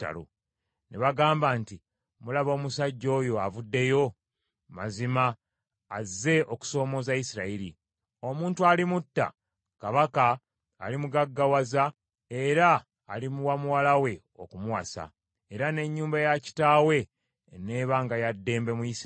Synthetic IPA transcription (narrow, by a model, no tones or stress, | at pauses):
tːa̰lo̰ | neβaɡaːmbanti | mulaβo̞ːmusaɟːo̞ːjo̞avudːe̞jo̞ | ma̰zimaː | zːe̞o̞ku̥so̞ːmo̞ːzajisiɾaiɾḭ | o̞muːntualimutːa̰ | kaβaka̰ː | limuɡaɡːawaza | e̞ɾaː | limuwamuwalawe̞ | o̞̰kumuwa̰sa̰ | e̞ɾane̞ɲːuːmbajaci̥taːwe̞ | neːβaːŋɡajadːe̞ːmbe̞mujis